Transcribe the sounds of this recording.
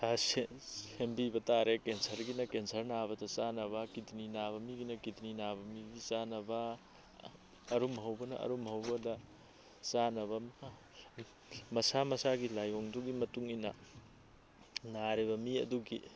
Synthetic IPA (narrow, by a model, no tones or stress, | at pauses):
aseembibɐtaɾekensɐɾɡinɐkensɐɾnabɐdɐsanɐβɐkitʰninaβɐmiɡinɐkitʰninabɐmibisanɐbɐ | ɐɾumɦɐwbɐnɐ̰ʔɐ̰ɾumɦɐwbɐdɐ | sanɐβɐ | mɐsamɐsaɡilajoŋduɡimɐtuŋinɐ̰ | naɾeβɐmiɐ̰duɡi